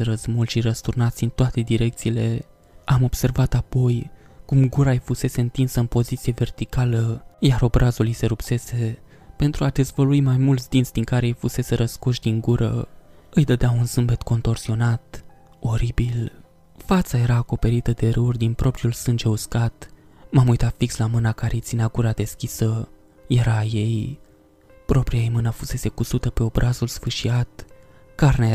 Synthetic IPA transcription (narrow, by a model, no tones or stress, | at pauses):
eɾəzmulʃiɾəst̪urnat̪sʲɨnt̪oat̪e̞d̪iɾe̞k̚t̪siːle̞ | amo̞b̥se̞rvat̪apo̞j | kumɡuɾajfuse̞se̞ɨnt̪insəɨnpo̞zit̪sije̞ve̞rt̪ikaləjaɾo̞bɾʔazulise̞ɾupse̞se̞ | pe̞nt̪ɾuad̪e̞zvəluimajmult̪sʲd̪intsʲd̪iŋkaɾejfuse̞se̞ɾəskoʃd̪iŋɡuɾʔə̰ɨjd̪əd̪eaunsɨmbe̞t̪ko̞nt̪o̞rsio̞nat̪ | o̞ɾibil | fat̪saje̞ɾaːko̞pe̞ɾit̪əd̪e̞ɾɨurd̪inpɾo̞pɾiulsɨnd͡ʒe̞uskat̪ | mamujt̪afikslamɨnakaɾejt̪sineaɡuɾad̪e̞skʲisə | je̞ɾaje̞j | pɾo̞pɾijaejmɨnafuse̞se̞kusut̪əpe̞o̞bɾʔazulsfɨʃiat̪ | karnee